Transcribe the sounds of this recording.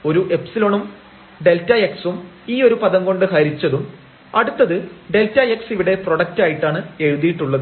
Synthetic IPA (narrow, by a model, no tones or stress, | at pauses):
o̞ɾuʔe̞psilo̞ɳum | ɖe̞ltːɐeksum | iːo̞ɾupɐðɐŋɡo̞ɳɖɨɦɐɾit͡ɕːɐðum | ɐɽut̪ːɐðɨɖe̞ltːɐeksiʋiɽe̞pro̞ɽɐk̚taːjiʈːaːɳɨe̞ɻuðijiʈːuɭːɐðɨ